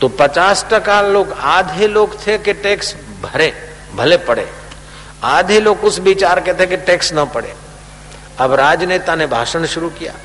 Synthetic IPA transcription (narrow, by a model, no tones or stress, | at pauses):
t̪oːpɐt͡ʃaːsʈɐkaloːɡaːd̪ʱiloːɡt̪ʰekeʈeːks | bʱɐɾẽː | bʱɐlepɐɽḛ̃ː | aːd̪ʱiloːɡʊsbit͡ʃaːɾket̪ʰekeʈeːksnɐpɐɽḛ̃ː | ɐbɾaːd͡ʒneːt̪anebʱa̰ːʃəñʃʊɾukija̰ː